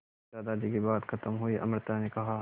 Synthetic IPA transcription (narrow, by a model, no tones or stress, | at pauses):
aːd̪ad͡ʒ̪ikibaːd̪kʰɐt̪əmɦʊiʔɐ̰mɾt̪anekɐɦaː